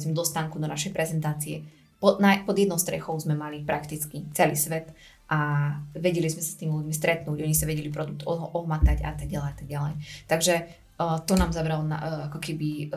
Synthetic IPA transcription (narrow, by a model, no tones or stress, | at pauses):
zmɛd̪ɔst̪aːŋkud̪ɔnaʃɛjpɾɛzɛnt̪aːt͡siɛ | pɔnapɔd̪jɛd̪nɔʊst̪ɾɛ̰xɔʊzmɛmalipɾakt̪it͡skit͡sɛlḭːsʋɛt̪ | ʔaʋɛɟɛlizmɛsḁst̪iːmiluɟmist̪ɾɛt̪nuːɟɔɲisaʋɛɟɛlipɾɔd̪uk̚t̪ɔɦʔɔɦmat̪aɟa̰t̪aɡ̚ɟalɛjat̪aɡɟalɛjt̪aɡʒɛ | t̪ɔnaːmzabɾalɔna̰akɔkɛbi